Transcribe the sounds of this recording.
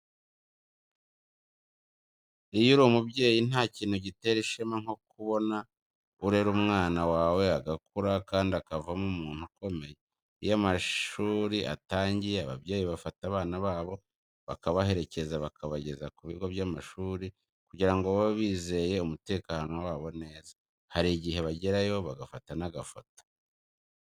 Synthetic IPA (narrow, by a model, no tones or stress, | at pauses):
ijuɾomubɟe̞ːjin̥aːciːn̥huɟite̞ɾiʃimaŋ̥o̞kuβo̞na | uɾe̞ɾumŋaːnawaːwe̞aɡakuɾakaːndiakavamumuːntuko̞me̞je | ḭjamaʃuːɾiʔa̰taːɲɟijeaβa̰bje̞ːjiβafataβaːnaβaːβo̞ | βakaβahe̞ɾe̞ce̞zaβakʰaβaɟe̞zakuβiɡo̞βjamaʃuːɾi | kuɟiɾaŋɡoβoβiːze̞je̞umute̞ːkaːno̞waːβo̞ne̞ːzḁ | haɾiɟihe̞βaɟeɾajo̞βaɡafatanaɡafotḁ